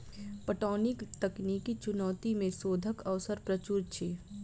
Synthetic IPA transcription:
pəʈɔːnɪkt̪ɐkniːkit͡ʃʊnɔːt̪imẽsoːd̪ʱəkəʋsəɾpɾɐt͡ʃuːɾt͡ʃʰi

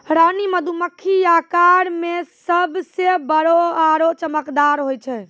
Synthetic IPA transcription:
ɾaniməd̪ʱuməkʰːijakaɾmesəbsebəɾoaɾot͡ʃəməkd̪aɾɦojt͡ʃʰɛ

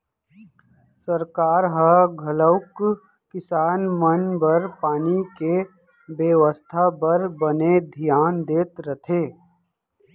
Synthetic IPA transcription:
səɾkaːɾɦəɡʱələʊkː | ɪsaːnmənbɐɾpaːnike | beːʋəst̪ʰabɐɾbəned̪ʱijaːnd̪eːt̪ɾət̪ʰeː

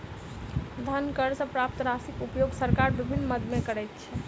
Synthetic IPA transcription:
d̪ʱənkəɾsə̃pɾapt̪ɾasikupjoɡsəɾkaɾbibʱinːməd̪mekəɾɛjt̪̚t͡ʃʰɛ

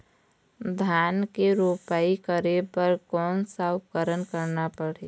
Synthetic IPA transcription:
d̪ʱjaːnkeɾopaːikəɾepəɾkɔːnsaʊp̚kəɾənkəɾnapəɽ̤e

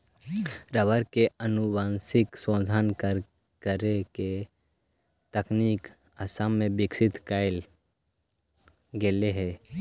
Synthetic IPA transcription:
ɾəʋəɾkeənʊʋaːnsɪksõːd̪ʱankəɾ | kəɾeke | t̪əkniːk | əsamːẽbɪksɪt̪kaɪl | ɡeːleɦɛː

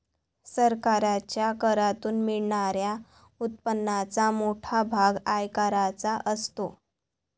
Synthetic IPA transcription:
səɾkaɾat͡ɕjakəɾat̪uːnmiɭɳaɾja | ut̪̚pənːat͡samoʈʰabʱaɡajkaɾat͡saʔəst̪o

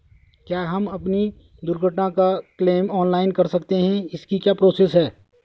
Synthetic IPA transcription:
kjaːɦɐmɐpni | d̪ʊɾɡʱəʈnãkakleːmɔːnlaːɪnkɐɾsɐkt̪eɦɛ̃ɪskikjaːpɾoːseːsɦɛː

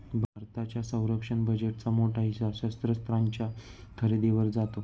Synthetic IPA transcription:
bʱaɾt̪at͡ɕjasə̃w̃ɾəkʂəɳbəd͡ʑeʈ̚t͡samoʈaɦiɕaɕəst̪ɾəst̪ɾaɲt͡ɕjakʰəɾed̪eʋəɾd͡zat̪o

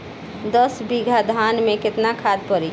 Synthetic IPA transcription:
d̪əsbiɡʱad̪ʱanmẽkɪt̪nakʰad̪̚pəɾi

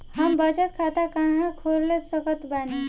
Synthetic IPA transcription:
ɦəmbəd͡ʒət̪kʰat̪akãɦãkʰoɾləsəkət̪bani

